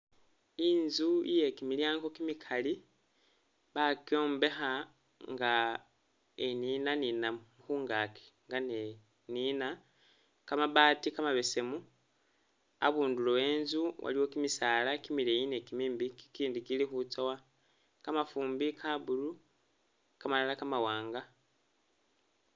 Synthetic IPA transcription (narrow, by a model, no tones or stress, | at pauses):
inzuḭje̞kimiljaːŋɡo̞kimikʰali | βakjo̞ːmbe̞xa | ŋɡa | eninaninamuxuːŋɡakʰe̥ŋɡane | nina | kamaβaːtikamaβe̞se̞mu | a̰βuːndulowe̞nzuwa̰liwo̞kimisaːlakimilejine̞kimiːmbikkiːndikilixut͡sowa | kamafuːmbikʰaβulu | kamalalakamawaːŋɡa